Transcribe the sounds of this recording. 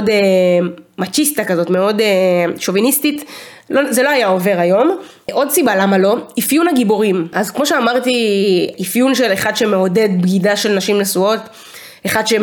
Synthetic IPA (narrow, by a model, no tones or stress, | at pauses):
de | mat͡ʃist̪akazo̞tme̞o̞deʃo̞vinistit | lozeloajao̞ve̞ʁajo̞m | ʔo̞dsibalamalo̞ifjunaɡiboʁimʔazkmo̞ʃeamaʁt̪iifjunʃe̞leχad̪ʃemeo̞de̞dbɡidaʃe̞lnaʃimnesuo̞t | eχad̪ʃe